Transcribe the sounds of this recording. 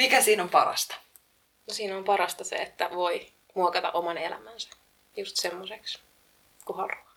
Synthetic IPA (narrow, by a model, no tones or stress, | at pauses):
mikæsiːnompɑrɑ̰st̪ɑ̥ | nosiːnompɑɾɑst̪ɑsḛet̪ːæʋo̞i | muokɑt̪ɑ̰ʔomɑnelæ̰mænsæ̥ | just̪semːoseks | kuhɑruɑ